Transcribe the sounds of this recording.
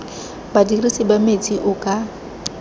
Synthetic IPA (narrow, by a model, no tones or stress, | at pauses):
badirisibamet͡sʼiʔʊkʼa